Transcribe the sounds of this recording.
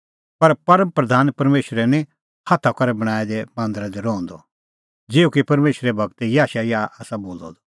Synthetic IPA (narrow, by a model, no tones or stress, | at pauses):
pɐɾpɐɾə̃mpɾɐd̪ʱaːnpɐɾmeːʃɾɛnĩ | hat̪ʰakɐɾɛbɐɽ̃aːɛd̪ɛmãːnd̪ɾad̪ɛɾɔ̃ːnd̪ɔ | d͡zɪːukipɐɾmeːʃɾɛbʱɐɡ̚t̪ɛjaːʃajaaːsaboːlɔ̰d̪ɔ